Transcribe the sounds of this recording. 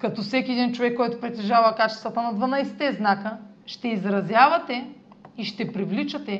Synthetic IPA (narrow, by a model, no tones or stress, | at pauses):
kɐt̪ɔfsɛkʲiɛd̪int͡ʃovɛkːɔjt̪ʊpɾɛt̪ɛʒavɐkat͡ʃɛ̥st̪vɐt̪ɐnɐd̪vɐnajsɛ̥t̪ɛznakə | ʃt̪ɛizɾɐzjavɐt̪ɛ | iʃt̪ɛpɾivlit͡ʃɐt̪ɛ